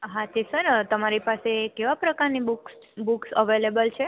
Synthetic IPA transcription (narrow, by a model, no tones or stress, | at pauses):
ɦãt̪isəɾt̪əmaɾipasekeʋapɾəkaɾnibuks | buksəʋelebəlt͡ʃʰe